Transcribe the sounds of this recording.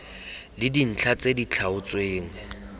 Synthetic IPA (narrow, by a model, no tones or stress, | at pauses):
lɪdin̩t͡ɬʰat͡sʼedit͡ɬʰaʊt͡sʼweːŋ̩